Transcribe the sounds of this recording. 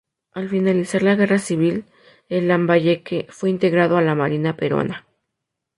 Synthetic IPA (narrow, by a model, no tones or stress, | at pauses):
alfinalisaɾlaɣe̞rasiβil | elːambaʝekefweint̪eɣɾaðoalamaɾinapeɾo̰na